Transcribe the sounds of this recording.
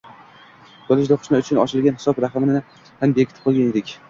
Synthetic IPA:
bolˠɪʃ̬d̪aqʰʊ̥ʃmaʊt͡ʃʰʊnɒ̰t͡ʃʰɪlɡʲanhɪ̥sɒbɾaχɨmɪnɪɪ | hanbekʲɪt̪ʰɪp̚qʰolɡʲaned̪ɪkʲ

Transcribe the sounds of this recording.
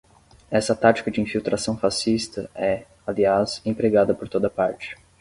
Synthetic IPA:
ɛsɐt̪at͡ʃi̥kɐd͡ʒɪĩfiwt̪ɾasɐ̃w̃fasist̪ɐɛ | aliasẽpɾeɡad̪ɐpoɾt̪od̪ɐpaɾt͡ʃɪ̥

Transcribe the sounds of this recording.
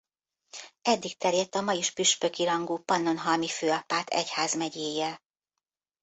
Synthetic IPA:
ɛd̪ːik̚t̪ɛrjɛt̪ːɒmɒjiʃpyʃpø̞kiɾɒŋɡuːpɒnːo̞nɦɒlmiføːɒpaːt̪ɛ̰chaːzmɛɟeːjɛl

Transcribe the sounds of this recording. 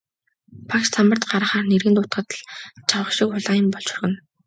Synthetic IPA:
pʰakt͡ɕt͡sʰamə̆rt̪ɢaɾə̆χaːrneɾɣɘ̆nt̪ʊt̪ɢə̆t̪ɮt͡ɕʰawə̆χʃikχʊɮaːjə̆mpɔɮt͡ɕɵ̥rɣɘ̆n

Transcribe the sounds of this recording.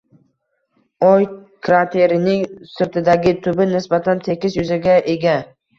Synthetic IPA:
ɒjkʰɾat̪ʰe̞ɾɪnɪŋsɪɾt̪ɪd̪aɡʲɪt̪ʰʊbɪnɪsbat̪ʰant̪ʰe̞kʲɪsjʊzaɡʲaʔe̞ɡʲa

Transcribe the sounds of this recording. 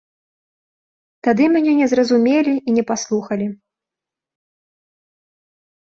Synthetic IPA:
t̪ad̪ɨmʲanʲɛnʲɛzrɐzumʲelʲiinʲɛpaslˠuxɐlʲi

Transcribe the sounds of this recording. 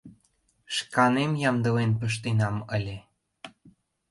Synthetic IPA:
ʃkɑnemjɑmd̪ɤ̆lenpə̆ʃ̬t̪enɑməlʲĕ

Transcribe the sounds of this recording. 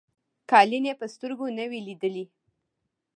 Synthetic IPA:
kɑlinepəst̪əɾɡonəwilid̪əli

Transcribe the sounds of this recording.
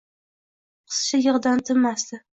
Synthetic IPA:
qʰɨ̥sʃajɨʁd̪ant̪ʰɪmasd̪ɪ

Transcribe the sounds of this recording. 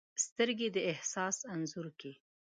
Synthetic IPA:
st̪əɾɡed̪əɪhsɑsanzuɾki

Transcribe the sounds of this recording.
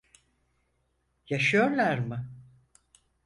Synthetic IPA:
jaʃɯjo̞ɾlˠaɾmɯ

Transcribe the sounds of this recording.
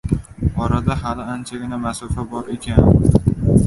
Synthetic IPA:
ɒɾad̪aɦalɪant͡ʃʰaɡʲɪnamasɒfabɒɾe̞kʲʰan

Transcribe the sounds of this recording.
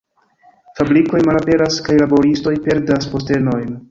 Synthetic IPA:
fabɾiko̞jmalape̞ɾaskajlabo̞ɾisto̞jpe̞ɾdaspo̞ste̞no̞jn

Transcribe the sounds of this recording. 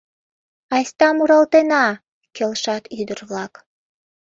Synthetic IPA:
ɑjsʲt̪ɑmuɾɑlt̪enɑ | kelʃɑt̪yd̪ərβlɑk

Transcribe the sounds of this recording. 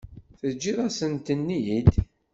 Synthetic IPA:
θəd͡ʒːiðˤæsənt̪ənːiid̪

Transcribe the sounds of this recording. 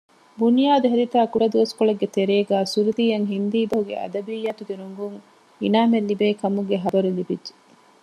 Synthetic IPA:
bunijaːd̪uɦeɾit̪aːkuɽɐd̪uʋɐskoɭɐɡːet̪eɾeːɡæːsuɾud̪iːjɐŋɦind̪iːbɐɦuɡḛʔɐ̰d̪ɐbijːɐt̪uɡeɾoŋɡuŋ | ḭnaːmelːibeːkɐmuɡeɦɐbɐɾulibidʒe̥

